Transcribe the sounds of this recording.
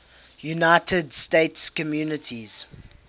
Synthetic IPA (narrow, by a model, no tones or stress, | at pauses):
junaɪtʰədsteɪtskɔmjuːnətʰiz̥